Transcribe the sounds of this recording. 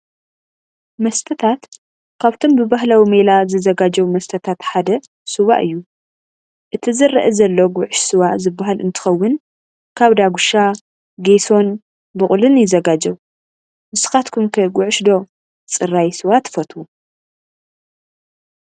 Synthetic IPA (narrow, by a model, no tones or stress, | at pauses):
mɐst̪ʰɐt̪ʰat̪ | kʰaβt̪ʰombɨbaɦlawimelazɨzɐɡad͡ʒɐwmɐst̪ʰɐt̪ʰat̪ħad̪ɐ | sɨβa̰ʔɨjːu | ʔɨt̪ʰizɨrɐ̰ʔɐzɐlːoɡʷʊʕʊʃsɨβaʔzɨbːaɦalʔɨnt̪ʰɨ̥xɐwːʊn | kʰaβd̪aɡuʃa | ɡeso̞n | bɨkʼʊlɨnjɪzɐɡad͡ʒɐw | mɨsɨ̥xat̪kʰumkʰɐɡʷʊʕʊʃd̪o̞ | t͡sʼɨrajsɨwat̪ʰːfɐt̪ʰu